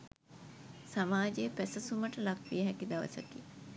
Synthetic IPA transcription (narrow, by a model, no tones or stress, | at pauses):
samaːd͡ʒeəpæsəsuməʈəlakʋijəɦækid̪aʋə̰sə̰ki